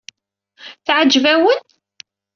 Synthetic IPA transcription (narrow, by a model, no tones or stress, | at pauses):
θʕəd͡ʒːvæwən